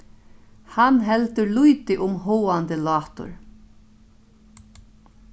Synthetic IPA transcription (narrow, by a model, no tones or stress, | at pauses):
hanɦɛlt̪ʏɾlujt̪ɪʔʊmɦɔːant̪əlɑːht̪ʊ̰ɹ